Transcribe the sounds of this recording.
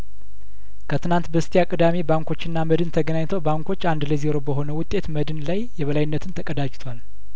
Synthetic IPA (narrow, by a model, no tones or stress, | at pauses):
kʰət̪ʰɨnant̪bəst̪ʰijakʼɨd̪amebaŋko̞t͡ʃːɪnːaməd̪ɨnt̪ʰəɡənaɲt̪ʰəwbaŋkʰo̞t͡ʃːand̪ləzeɾo̞bəɦo̞nəwʊt̪ʼːe̞t̪məd̪ɨnlajjɛβəlajɪnːət̪ʰɨnt̪ʰəkʼəd̪ad͡ʒt̪ʰwal